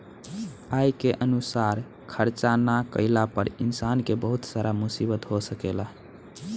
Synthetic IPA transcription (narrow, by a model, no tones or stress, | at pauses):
ajkeʔənusaɾ | kʰəɾt͡ʃanakə̰ɪlapəɾinsankebəɦut̪saɾamusibət̪ɦosəkela